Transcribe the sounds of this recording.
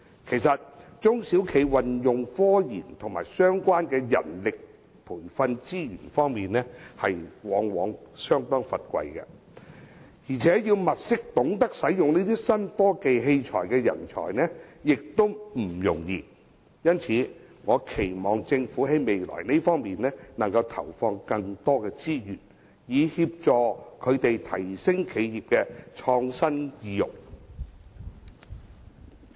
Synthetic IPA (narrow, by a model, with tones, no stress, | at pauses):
kʰe˨˩jsɐ˨t̚t͡sʊ˥ŋsiː˨˥wkʰe˨˥jwɐ˨njʊ˨ŋfɔː˥jiː˨˩nt̪ʰʊ˨˩ŋmaː˨˩jsœː˥ŋkʷaː˥nkɛː˧jɐ̰˨˩nlɪ˨k̚ | pʰuː˨˩nfɐ˧nt͡siː˥jy̰ː˨˩nfɔː˥ŋmiː˨nnɛː˥hɐ˨jwɔː˨˧˥ŋwɔː˨˥ŋsœː˥ŋt̪ɔː˥ŋfɐ˨t̚kʷɐ̰˧jkɐ̰˧ | jiː˨˩t͡sʰɛː˨˥jiː˧wmɐ˨t̚sɪ˥k̚t̪ʊ˨˥ŋt̪ɐ˥k̚sɐ˨˥jjʊ˨ŋne˥t̪iː˥sɐ˥nfɔː˥ke˨jɦe˧jt͡ʃʰɔ̰ː˨˩jkɛː˧jɐ̰˨˩nt͡ʃʰɔ̰ː˨˩jnɛː˥jɪ˨k̚t̪ʊ˥wm̩˨˩jʊ˨˩ŋjḭː˨˧ | jɐ˥nt͡sʰiː˨˧ | ŋɔː˨˧kʰe˨˩jmɔː˨ŋt͡sɪ˧ŋfuː˨˥ɦe˨˥jme˨jlɔ̰ː˨˩jne˥jfɔː˥ŋmiː˨nɛː˥nɐ˨˩ŋkɐ˧wt̪ʰɐ̰˨˩wfɔː˧ŋkɐ˧ŋt̪ɔː˥kɛː˧t͡siː˥jyː˨˩n | jiː˨˧hiː˧p̚t͡sɔː˨kʰɵ˨˧ɥt̪e˨jt̪ʰɐ˨˩jsɪ˥ŋkʰe˨˧jjiː˨˩p̚kɛ˧t͡ʃʰɔː˧ŋsɐ˥njiː˨˧jʊ̰˨˩k̚